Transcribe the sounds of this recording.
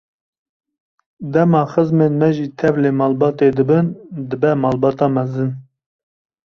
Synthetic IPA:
d̪ɛmɑːxɨzmeːnmɛʒiːt̪ʰɛvleːmɑːlbɑːt̪ed̪ɨbɨnd̪ɨbɛmɑːlbɑːt̪ɑːmɛzɨn

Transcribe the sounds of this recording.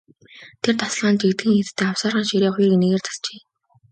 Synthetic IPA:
t̪ʰert̪ʰɔ̥sɮaːnt͡ɕekt̪ɡĭŋxet̪t̪ʰːeːawsaːrʁăːnʃiɾiːχiːrkeneɣeːrt͡sʰḁɮt͡ɕeː

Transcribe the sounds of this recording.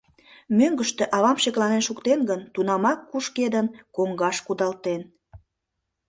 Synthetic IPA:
møŋɡəʃt̪eʔɑβɑmɕeklɑnenʃukt̪enɡənt̪unɑmɑkːuʃked̪ənkoŋɡɑʃkud̪ɑlt̪en

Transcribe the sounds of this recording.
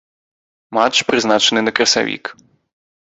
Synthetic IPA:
mat͡ʃpɾɪznat͡ʃenɪjnɐkɾɐsa̰ʋʲḭk

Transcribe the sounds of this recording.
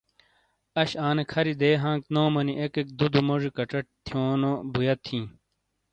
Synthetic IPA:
ɐɕaːnekʰɐɾid̪eːɦãːŋk̚noːmɐniʔekek̚d̪ud̪umoʐikɐʈ͡ʂɐʈ̚t̪ʰjoːnobujɐt̪ʰĩː

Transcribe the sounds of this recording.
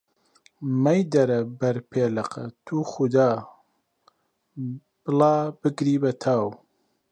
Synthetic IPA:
mɐjd̪ɐɾɐbɐɾpʰeːlɐqɐ̰t̪ʰuːxʊd̪aː | b̥ɨlɑːbɨɡɾiːbɐt̪ʰaːw

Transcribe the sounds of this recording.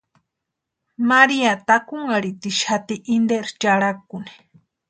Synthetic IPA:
maɾiat̪akuŋaɽit̪iʃat̪iʔind̪eɾt͡ʃaɽakuni̥

